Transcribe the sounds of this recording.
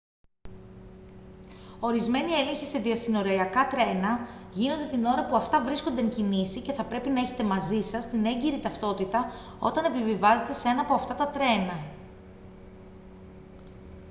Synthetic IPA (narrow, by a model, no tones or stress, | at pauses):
o̞ɾizme̞nie̞le̞nçise̞ðiɐsino̞ɾoiɐkɐt̪ɾe̞nɐʝino̞nd̪e̞t̪ino̞ɾɐpuɐft̪ɐvɾisko̞nd̪eeɲcinisice̞θɐpɾe̞pinɐe̞çe̞t̪e̞mɐzisɐst̪ine̞ɲɟiɾit̪ɐft̪o̞t̪it̪ɐ | o̞t̪ɐne̞pivivɐze̞t̪e̞seenɐːpo̞ɐft̪ɐt̪ɐt̪ɾe̞nɐ